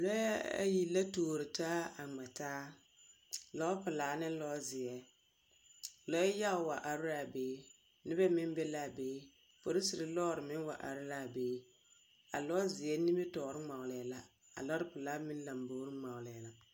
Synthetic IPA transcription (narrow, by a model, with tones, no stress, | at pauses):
lɔ˦a˦a̰˦ji˨la˦toː˨ɾɪ˨taː˦a˨ŋ͡mɛ˨taː˦ | lɔ˦pɪ˨laː˨˦nɪ˦lɔː˦zɪ˨ɛ˨ | lɔ˦ɛ˦ja˦˨wa̰˨ʔa˨ɾʊ˦ɾa˦˨beː˦ | nɪ˦bɛ˦mɪ˦nbɛ˦la˦˨beː˦ | fo˨ɾi˦sɪ˨ɾɪ˨lɔː˦ɾɪ˨mɪ˦nwa̰˨ʔa˨ɾɪ˦la˦˨beː˦ | a̰˨lɔ˦zɪ˨jɛ˦nɪ˦bɛ˦tɔː˨˦ɾɪ˦ŋ͡ma˨wlɛ˨la˨ | a̰˨lɔ˦ɾɪ˦pɪ˨laː˨˦mɪ˦n˦la˨mboː˨˦ɾɪ˦ŋ͡ma˨wlɛ˨la˨